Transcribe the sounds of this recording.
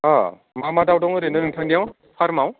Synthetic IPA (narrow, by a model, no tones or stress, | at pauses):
a | mamadawdɔŋɯɾɯnɯɯŋtʰaŋdijaw | pʰaɾmaw